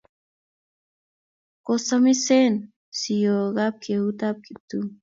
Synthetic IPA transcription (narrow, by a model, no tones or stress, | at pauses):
kosamisen | sijoɣap̚kʰeut̪ap̚kip̚t̪u